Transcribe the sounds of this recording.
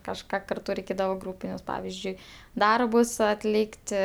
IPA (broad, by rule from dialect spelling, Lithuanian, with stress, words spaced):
kɐʃˈkɑː kɐrˈtʊ rʲɛɪˈkʲeːdɐʋoː ˈɡruːpʲɪnʲʊs ˈpɑːʋʲɪzʲd͡ʒʲʊɪ ˈdɐrbʊs ɐtʲˈlʲiːktʲɪ